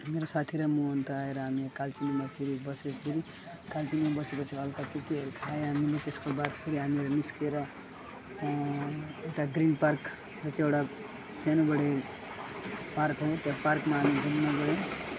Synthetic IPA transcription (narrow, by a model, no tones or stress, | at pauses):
meɾosat̪ʰiɾʌmuont̪aaeɾʌɦamikalt͡ʃinomapʰiɾibʌseiɾi | kalt͡ʃinimabʌsepʌt͡sʰiʌlkakekiɦeɾkʰaeɦamilet̪eskobad̪pʰiɾiɦamiɾʌniskeɾʌ | ekʈaɡɾinpaɾk | d͡ʒʌt͡ʃiewɽa | senobʌɽe | paɾkɦot̪jãpaɾkmaɦamid̪ʱunːaɡʌɽe